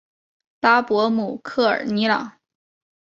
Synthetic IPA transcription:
la˥pwɔ˧˥mu˨˩kʰɤ˥˩ə̰˞˨˩ni˧˥lɑ̰˨˩˦ŋ

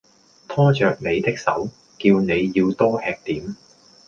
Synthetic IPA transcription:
t̪ʰɔː˥t͡ʃœː˨k̚ne˨˧jt̪ɪ˥k̚sɐ˨˥w | kiː˧wne˨˧jːiː˧wt̪ɔː˥hɛː˧k̚t̪iː˨˥m

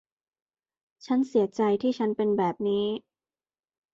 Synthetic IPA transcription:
t͡ɕʰa˦˥nsi˨˩˦ɐt͡ɕa˧jt̪ʰiː˥˩t͡ɕʰa˦˥npe˧nbɛː˨˩p̚niː˦˥

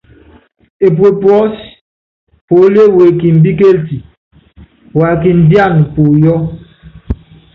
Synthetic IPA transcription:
e˨p̬we˨pwɔ˦s | po˨˦le˦we˨ki˨m̩˨bi˦ke˦lti˨ | wa˨ki˨n̩˨dja˦˨npo˨jɔ˦

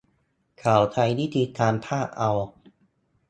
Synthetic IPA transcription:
kʰaː˩˦wt̪ʰa˧jniː˥˩t̪ʰiː˧t̪ʰaː˧npʰaː˥˩ʔa˧w

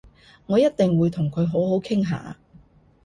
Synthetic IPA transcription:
ŋɔː˨˧jɐ˥t̚t̪ɪ˨ŋwuː˨˧jt̪ʰʊ˨˩ŋkʰɵ˨˧ɥɦo˨˥wɦo˨˥wkʰɪ˥ŋɦa̰ː˨˥

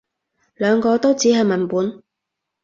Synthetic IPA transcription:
lœː˨˧ŋkɔː˧t̪o˥wt͡siː˨˥ɦɐ˨jmɐ˨˩npuː˨˥n

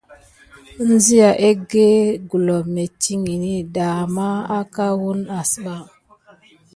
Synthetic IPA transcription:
n˦zi˦ja˨ʔe˦ɡe˦ɡu˨lo˨me˨ti˦ŋi˨ni˦ɗa˨ma˦a˦ka˦wu˦na˨sɓa˦

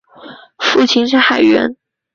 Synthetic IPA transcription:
fu˥˩t͡ɕʰi˧˥nʂ̬ɻ̩˥˧xa˨˩ɪɥɛ̰˧˥n

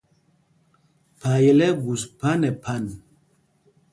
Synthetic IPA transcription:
pa˨jɛ˨lɛ˦ɡu˨spa˦nɛ˨pʰa˦˨n

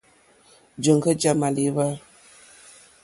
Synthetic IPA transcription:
d͡ʒə˨ŋɡə˦d͡ʒa˨ma˨li˨˦va˦

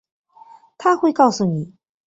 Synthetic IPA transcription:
t̪ʰa˥xwe˥˧ɪkɑ˥˩ʊsu˨˩ni˨˩˦

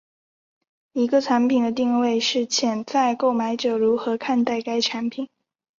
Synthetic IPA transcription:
i˧˥ɡə˧ʈ͡ʂʰa˧˥npʰi˨˩nd̪ə˦t̪i˥˧ŋwe˥˧ɪʂɻ̩˥˩t͡ɕʰjɛ˥˩nt͡sa˥˧ɪko˥˩ʊma˧˥ɪʈ͡ʂɤ˨˩ɻu˧˥xɤ˧˥kʰa˥˧nt̪a˥˩ɪka˥ɪʈ͡ʂʰa˧˥npʰi˨˩˦n

